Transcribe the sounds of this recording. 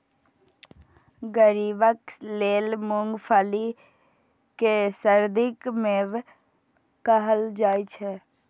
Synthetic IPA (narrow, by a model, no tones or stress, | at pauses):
ɡəɾiːbəkleːlmʊŋɡpʰaːli | kesəɾd̪ɪkmeːʋ | kəɦəld͡ʒaːit͡ʃʰɛ